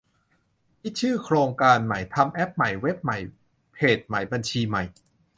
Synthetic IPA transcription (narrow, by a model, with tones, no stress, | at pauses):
pʰi˦˥t̪̚t͡ɕʰɯː˥˩kʰɾoː˧ŋkaː˧nma˨˩˦jt̪ʰa˧mʔɛ˦˥p̚ma˨˩jwe˦˥p̚ma˩˦j | pʰeː˨˩t̪̚ma˩˦jba˧nt͡ɕʰiː˧ma˨˩j